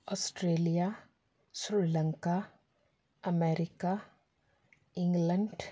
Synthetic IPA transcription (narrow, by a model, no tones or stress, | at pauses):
ɔːsʈɾeːlija | sɾilə̃ŋka | əmeːɾɪka | ɪ̃ŋɡlə̃ɳɖ